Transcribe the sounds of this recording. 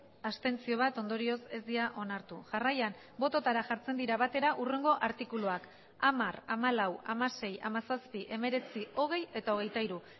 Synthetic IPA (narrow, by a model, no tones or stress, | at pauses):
ast̪e̞nt͡sio̞β̞at̪o̞nd̪o̞ɾio̞se̞zd̪iaʔo̞naɾt̪uʝarajan | bo̞t̪o̞t̪aɾaʝaɾt͡se̞nd̪iɾaβat̪e̞ɾaʔure̞ŋɡo̞ʔaɾt̪ikuluak | amaramalawamase̞jamasaspiʔe̞me̞ɾe̞t͡sio̞ɣ̞e̞je̞t̪ao̞ɣ̞e̞jt̪aiɾu